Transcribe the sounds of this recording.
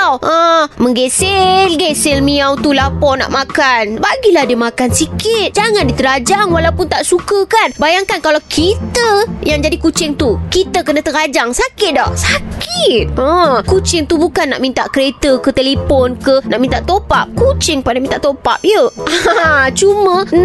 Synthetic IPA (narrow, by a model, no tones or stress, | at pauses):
awʔəmə̃ŋɡeselɡɛselmiawt̪ulapɔna̰ʔmãkanbaɡilahdiəmakansikɪt̪̚d͡ʒaŋandit̪əɾad͡ʒaŋwalawpʊnt̪aʔsukəkanbajaŋkankalawkʰit̪əjaŋd͡ʒadikut͡ʃɪŋt̪ukit̪əkənat̪əɾad͡ʒaŋsakɪt̪̚dahsakɪt̪̚əkut͡ʃɪŋt̪ubukanːa̰ʔmĩnt̪aʔkəɾet̪əkət̪elepɔnkənaʔmint̪aʔt̪opap̚kut͡ʃɪŋpadamint̪aʔt̪opa̰p̚jəat͡ʃumə̃